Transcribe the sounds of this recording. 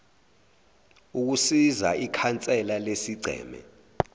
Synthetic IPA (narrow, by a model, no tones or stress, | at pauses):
uk̬usiza̰ikʰant͡sʼɛlalesiɡ͡ǀʱɛ̰ːmɛ̰